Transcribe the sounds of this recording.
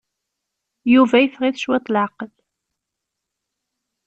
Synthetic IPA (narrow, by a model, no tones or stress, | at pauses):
juvæjəfʁiθʃwɪt̪ˤlʕaqəl